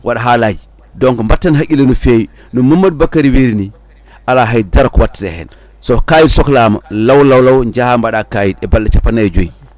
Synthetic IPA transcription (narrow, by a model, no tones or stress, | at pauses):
wʔaɗaɦalad͡ʒi | dɔŋkmbatːanɦakʲːilanufewi | numumːad̚bakːaɾiwiɾini | ʔalaɦajdaɾkwatːsehɛ̰n | sokajitsɔklama̰lawlawlawɲd͡ʒahambaɗakajidɛbalːat͡ʃapːanːad͡ʒoji